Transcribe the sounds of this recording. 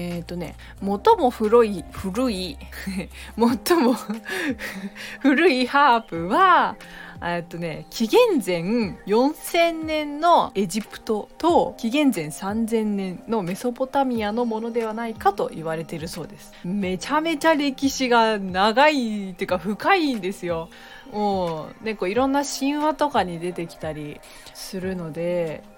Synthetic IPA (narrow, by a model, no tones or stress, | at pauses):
et̪ːo̞ne̞̰ | mo̞t̪o̞mo̞ɸɯ̟ɾoiɸɯ̟ɾɯ̟i | mo̞t̪ːomo | ɸɯ̟ɾɯ̟ihaːpɯ̟βa | et̪ːo̞ne̞kʲiɡẽ̞nd͡zẽ̞ɴjõ̞ɰ̃sẽ̞nːẽ̞nːo̞e̞ʑipɯ̟̥t̪o̞t̪o̞kʲiɡẽ̞nzẽ̞ɰ̃sãnd͡zẽ̞nːẽ̞nːo̞me̞so̞po̞t̪amʲiano̞mo̞no̞d̪e̞βanaikat̪o̞ʔiβaɾe̞t̪e̞ɾɯ̟so̞ːd̪e̞sɨ̥me̞t͡ɕame̞t͡ɕaɾʲe̞kʲiɕiɡanaɡait̪eiɯkaɸɯ̟kaind̪e̞sɨjo̞ | moːne̞ko̞ːiɾõ̞nːaɕĩɰ̃βat̪o̞kaɲ̟id̪e̞t̪e̞kʲi̥t̪aɾʲi | sɨɾɯ̟no̞d̪e̞